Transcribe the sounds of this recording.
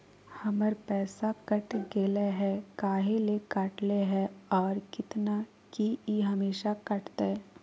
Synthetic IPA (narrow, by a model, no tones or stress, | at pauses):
hɐməɾpɛːsakɐʈɡeːleɦɛkaːɦelekaːʈleɦɛ̃ɔːɾkɪt̪na | kiiɦɐmeːʃakɐʈt̪eɦɛ